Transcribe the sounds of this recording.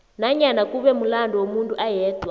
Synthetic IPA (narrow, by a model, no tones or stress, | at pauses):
naɲanakuβɛmulandɔwomuntʼuʔajɛːtwa